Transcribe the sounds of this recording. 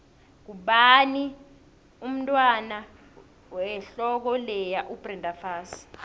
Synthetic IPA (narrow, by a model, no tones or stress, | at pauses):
k̬uɓani | um̩tʼwana | wɛɬɔk̬ɔlɛjaʔub̥rɛndʱafaːs